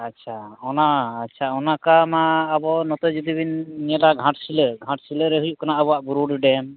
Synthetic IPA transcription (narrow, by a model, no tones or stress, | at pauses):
atːt͡ʃʰaɔnaːtːt͡ʃʰaɔnakamaːbɔnɔt̪ɔd͡ʒud̪ibinːɛlaɡʱãʈsiləɡʱãʈsiləɾɛɦujuʔkanaəbɔwaʔbuɾuɖɖɛm